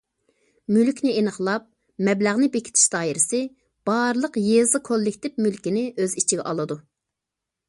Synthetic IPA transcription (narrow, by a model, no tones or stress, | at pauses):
mylkʲnɪenəχlˠɑp̚ | mɛblæʁnɪbekʲi̥t̪ʰɪ̥ʃd̪ɑːiɾɪsɪ | b̥ɑɾlˠəqjezɨkʰolˠːikʲt̪ʰɪpmylkʲinɪʔøzit͡ʃʰiɡʲɛʔɑlˠɨd̪u